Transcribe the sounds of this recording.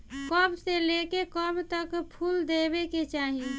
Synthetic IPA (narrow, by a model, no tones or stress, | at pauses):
kɔbselekekəbt̪əkpʰuːld̪ebeket͡ʃaːɦi